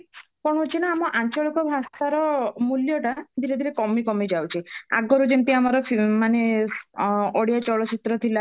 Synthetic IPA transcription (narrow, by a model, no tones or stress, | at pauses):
kɔɽ̃ɔɦut͡ʃʰinaːmɔʔant͡ʃɔɭikɔbʱasaɾɔmuljɔʈad̪ʱiɾed̪ʱiɾekɔmikɔmid͡ʒawt͡ʃʰia̰ɡɔɾud͡ʒent̪iamaɾɔpmane | oɽijat͡ʃɔɭɔt͡ʃit̪ɾɔt̪ʰila